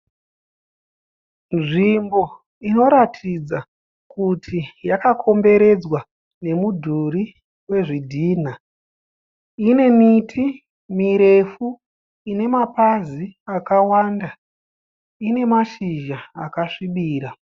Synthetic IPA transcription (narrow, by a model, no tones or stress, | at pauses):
nʐimbo̞ | ino̞ɾatʰid͡za | kutʰijakakʰo̞mbe̞ɾe̞d͡zwa | ne̞mudʱuɾi | we̞ʐidʱiːn̤a | ine̞mitʰi | miɾe̞fu | ine̞mapaziakawanda | ine̞maʃiʒaakaʂiɓiːɾa